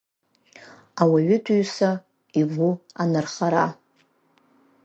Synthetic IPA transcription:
awaɥɪtʰɥsa | ivuanɨrχaɾa

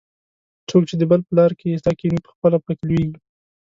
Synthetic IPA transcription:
t͡sok̚t͡ʃed̪əbəlpəlɑɾkest̪ɑkenipə̥xpəlapak̪lweɡi

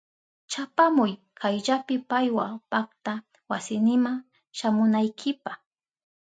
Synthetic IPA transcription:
t͡ʃapamʊj | kʰajʎapɪpajwapak̚t̪a | wasɪnɪmaŋ | ʃamʊnajkʰɪpaχ

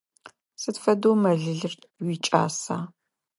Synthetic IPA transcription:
sɨtfɐdoːmɐɮɨɮɨr | wiːt͡ʃʼa̰ːsaː

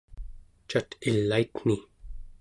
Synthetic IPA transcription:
t͡ʃat̪ilːait̪n̥i

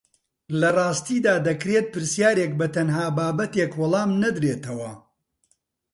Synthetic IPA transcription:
lɐrˤɑːst̪iːd̪aːd̪ɐkɾet̪̚pɨɾsjaːɾeːk̚bɐt̪ɐnɦaːbaːbɐt̪eːkwɑlˠɑːmnɐd̪ɾeːt̪ʰɐwɐ̰

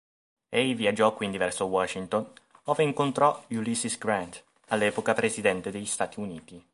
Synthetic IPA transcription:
ɛjviad͡ʒːɔkːwind̪ivɛrsowɔʃint̪onoːveiŋkont̪ɾɔulisisɡɾant̪ | alːɛːpokapɾezid̪ɛnt̪ed̪eʎːist̪aːt̪iuniːt̪i

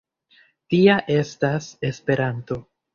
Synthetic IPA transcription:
tiaʔe̞stase̞spe̞ɾanto̞

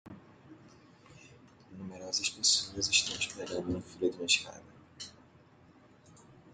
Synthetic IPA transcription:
numeɾɔzɐʃpesonɐziʃt̪ɐ̃w̃ʃkleɾɐ̃nd̪uɐ̃fulɐd̪iũmeʃka̰d̪ɐ

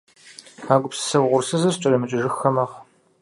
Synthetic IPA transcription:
aːɡʷʊpsɨ̥sɐwʁʷʊrsɐzɐt͡ʃʼɐrɐmɨt͡ʃʼɪʒɪxːɐmɐʁ

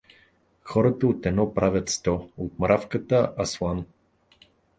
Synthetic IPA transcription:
xɔɾət̪əot̪ɛnɔpɾavʲjət̪st̪ɔot̪̚mɾafkət̪əʔɐslˠan

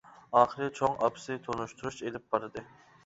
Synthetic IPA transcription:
ɑːχəɾɨt͡ʃʰoŋɑpsɪt̪ʰonuʃt̪ʰuɾuʃelɪp̚bɑɾɨd̪ɨ

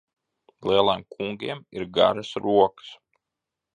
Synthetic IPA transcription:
lˠiɛlˠajmkʰuŋɡʲiɛmiɾɡa̰ɾasɾuɔkə̥s

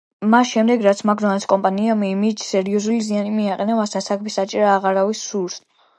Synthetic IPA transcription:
masʃɛmd̪ɛɡɾat̪sʰmaɡzɔnskʼɔmpʼaniamiːmid͡ʒsɛɾiɔzulizianimiaqʼɛnavasasakʰbisat͡ʃʼiɾaːʁaɾavisːuɾs

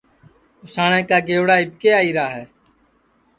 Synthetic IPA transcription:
ʊsaːɳɛ̃ːkaːɡeːʋɽaːɪbʱkeːaːiːɾaːɦɛː

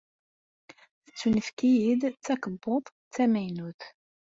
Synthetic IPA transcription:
θət͡sːunəfkijid̪t͡sːækəbːoðˤ | t͡sːæmæjnuθ

